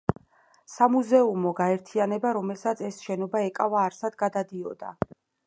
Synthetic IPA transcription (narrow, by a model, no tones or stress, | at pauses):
samuzɛumɔɡaɛɾt̪ʰianɛbaɾɔmɛlsat̪sʰɛsʃɛnɔbaɛkʼavaːɾsad̪ɡad̪ad̪iɔd̪a̰